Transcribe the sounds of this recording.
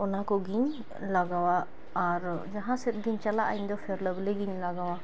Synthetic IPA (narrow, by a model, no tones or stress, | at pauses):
ɔnakɔɡiɲ | laɡawaː | ɾd͡ʒaɦãsɛt̪̚ɡiɲt͡ʃalaʔajɲd̪ɔpʰeɾləbleɡiɲlaɡawa